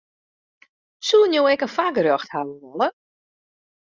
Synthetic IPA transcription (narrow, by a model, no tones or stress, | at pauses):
sunjoːɛkənfaɡərɔxthawəʋɔlə